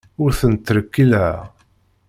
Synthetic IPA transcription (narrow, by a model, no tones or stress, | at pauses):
ʊɾθənt̪ːəɾəkːilæ